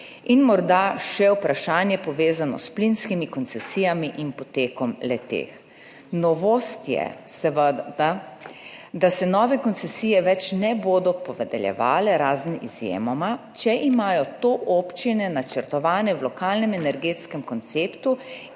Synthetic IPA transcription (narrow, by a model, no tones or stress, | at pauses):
inmɔɾd̪aʃɛwpɾaʃaːnjɛpɔʋeːzanɔ̰splinskimikɔnt̪sɛsijamiʔinpɔt̪eːkɔmlɛt̪ḛːx | nɔʋost̪jɛ̰sɛʋəd̪d̪a | d̪asɛnɔːʋɛkɔnt̪sɛsiːjɛʋɛt͡ʃnɛboːd̪ɔpɔʋɛd̪ɛljɛ̰ʋa̰ːlɛɾaːzniʔḭzjḛːmɔmat͡ʃɛʔimaːjɔt̪oːʔoːpt͡ʃinɛnat͡ʃəɾt̪ɔʋaːnɛwlɔkaːlnɛmɛnɛɾɡeːt̪skɛmkɔnt̪seːpt̪u